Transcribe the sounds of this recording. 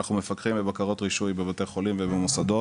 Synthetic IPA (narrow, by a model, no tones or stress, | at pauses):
aχnume̞fakχimbebakaʁo̞t̪ʁiʃujbebat̪eχo̞limvebemusad̪o̞